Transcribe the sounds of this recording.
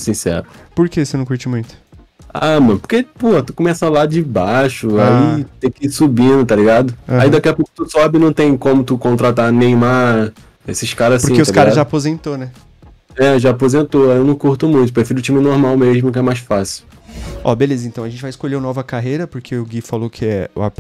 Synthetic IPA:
sĩsɛ̰ɾʊpoɾkesenɐ̃w̃kuɾt͡ʃimũj̃t̪ʊ̥ | amɐ̃po̥ɾkepohɐt̪ukõmɛsalad͡ʒɪbaʃʊait̪ẽj̃kɪisubĩnd̪ʊt̪aliɡad̪ʊ̃aid̪akɛɐpokʊ̥t̪usɔbɪnɐ̃w̃t̪ẽj̃kõmʊt̪ukõnt̪ɾat̪anẽj̃ma | esɪʃkaɾɐzspʊɾĩkeʊsalikaɾɡɐaʒaːpozẽnt̪onɛ | ɛʒaːpozẽnt̪oajewnɐ̃w̃kuɾt̪ʊmũj̃t̪ʊpɾefiɾɪʊt͡ʃĩmɪnoɾmawmeʒmʊkɪɛmajsfasɪw | ɔ̰belezɐẽnt̪ɐ̃w̃ʒẽt͡ʃɪvajɪskoʎeɾʊnɔvɐkaɦejɾɐpoɾkʰeʊɡifalokʰɪɛ̰ap

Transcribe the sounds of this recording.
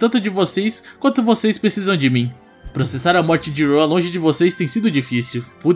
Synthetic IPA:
t̪ɐ̃nt̪ʊd͡ʒɪvoseskwɐ̃nt̪ʊvosejspɾesizɐ̃w̃d͡ʒɪmĩ | pɾosesaɾɐmɔɾt͡ʃɪd͡ʒɪɾoɐlõʒɪd͡ʒɪvosejst̪ẽj̃sid̪ʊd͡ʒifisiwpud

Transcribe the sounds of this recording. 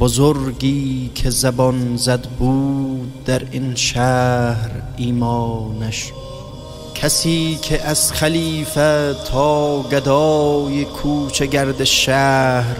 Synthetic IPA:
bozoɾɡiːkʰezæbɔnzæd̪buːd̪̚ːæɾinʃæhɾ | iːmɒːnæʃ | kʰæsiːkʰeʔæz̥χæliːfet̪ʰɒːɡæd̪ɒːjekʰuːt͡ʃʰeɡæɾd̪eʃæhɾ

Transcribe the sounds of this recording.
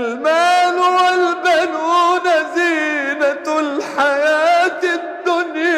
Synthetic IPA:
lmaːlwalbanunaziːnalħajaːt̪ɪd̪ːʊnj

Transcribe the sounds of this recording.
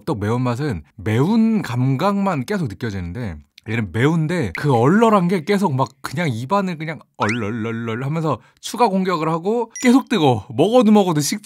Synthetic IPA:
t͈ʌk̚me̞unmas̬ʰɯnme̞unkamɡaŋmank͈e̞sʰok̚nɯk͈jʌd͡ʑinɯnde̞enɯnme̞unde̞kɯʌɭːʌɾanɡe̞k͈e̞s̬ʰok̚mak̚k͈ɯɲaŋibanɯɭkɯɲaŋʌɭːʌɭːʌɭːʌɭɦamjʌnsʰʌ | t͡ɕʰuɡaɡoŋɡjʌɡɯɭhaɡok͈e̞sʰok̚t͈ɯɡomʌɡʌnɯmʌɡʌduɕʰik̚t͡ɕ͈

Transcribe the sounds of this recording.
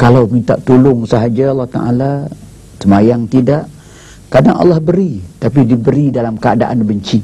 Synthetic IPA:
kalawmint̪a̰ʔt̪ulʊŋsəɦad͡ʒaɑlːɑht̪a̰ʔa̰la | səmajaŋt̪idaʔ | kadaŋʔɑ̰lːɑhbəɾit̪ap̬idibəɾidalamkəada̰ʔanbəɲt͡ʃi

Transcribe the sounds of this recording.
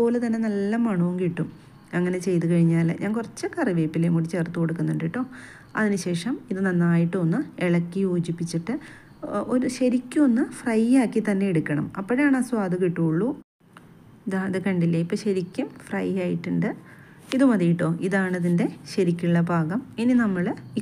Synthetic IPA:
oːlɐt̪ɐnːe̞nɐlːɐmaːɳuuŋkiʈːum | ɐŋːɐne̞t͡ɕe̞jt̪ukɐɻiɲːaːlɲʔaːnkurɐt͡ɕːɐkːɐriʋeːpːilemuɽit͡ɕeːrt̪ːukoɽukːunːoɳɖiʈːo̞ː | ɐ̰ðinɨɕe̞ːʂɐmiðɨnɐnːaːjiʈːɨonːɨeɭɐkːijoːd͡ʑipːit͡ɕːiʈːɨ | o̞ɾuɕɐɾikʲːuonːɨfrɐjːaːkːit̪ɐnːe̞eɽukːɐɳɐ̰mɐpːoɾejaːɳaswaːd̪ɐkiʈːuːɭːu | iðaːðɨkɐɳɖilːɐipːoːɕɐɾikʲːumfrɐjaːjiʈːuɳɖɨ | iðɨmɐðijiʈːo̞ːʔiðaːɳɐðinde̞ɕɐɾikʲːuɭːɐbʱaːɣɐmininɐmːɐɭ

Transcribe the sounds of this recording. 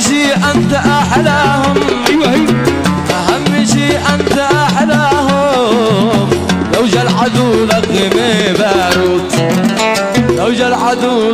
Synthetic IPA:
ʃiʔant̪aʔaħad̪ahʊmwa | ʔahamːɪʃiʔant̪aʔaħad̪aɦʊ | mlawd͡ʒalʕad̪ulaqːɪmebaɾut̪ | lawd͡ʒalʕad̪ul

